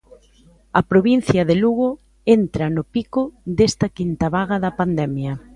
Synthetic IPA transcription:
ɐpɾoβin̟θjɐðeluɣʊ | ent̪ɾɐnʊpikʊd̪est̪ɐkint̪ɐβaɣɐðɐpand̪ɛmjɐ

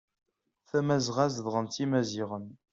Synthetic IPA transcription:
θæmæzʁæzðʁənt͡s̪imæziʁən

